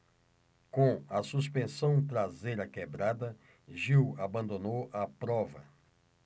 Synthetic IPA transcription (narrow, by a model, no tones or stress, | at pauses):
kõɐsuspẽsɐ̃w̃t̪ɾazejɾɐkebɾad̪ɐ | ʒiwabɐ̃nd̪onowɐpɾɔvɐ̰